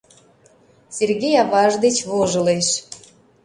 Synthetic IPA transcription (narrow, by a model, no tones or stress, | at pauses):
serɣejɑβɑʒd̪et͡ɕβoʒɤ̆leʃ